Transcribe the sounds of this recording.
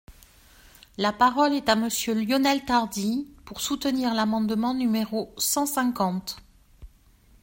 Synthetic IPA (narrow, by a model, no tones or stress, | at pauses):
lapaʁɔlɛt̪aməsjøljɔnɛlt̪aʁd̪ipuʁsut̪əniʁlamɑ̃d̪mɑ̃nymeʁosɑ̃sɛ̃kɑ̃t̪